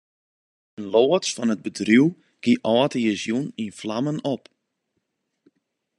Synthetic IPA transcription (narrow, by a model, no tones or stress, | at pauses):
ənloːətsfɔnəd̚bədruw | ɡ̥iʔɔətəjəzjuninflamənop